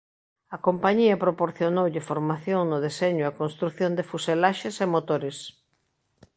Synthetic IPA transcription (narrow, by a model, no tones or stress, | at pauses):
ɐkompaɲiɐpɾopoɾθjonowʎɪfoɾmaθjoŋnʊð̞eseɲʊɐkonst̪ɾuθjond̪ɪfuselaʃesemot̪oɾes